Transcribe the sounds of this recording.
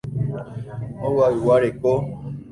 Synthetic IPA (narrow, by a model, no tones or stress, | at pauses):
owawiwaɾeko